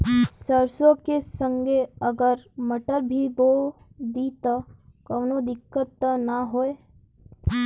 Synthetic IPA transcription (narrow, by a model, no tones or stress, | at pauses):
səɾsõkesə̃ŋɡeəɡəɾməʈəɾbʱibo | d̪it̪akɐːnod̪ɪkːət̪ːnaɦoːe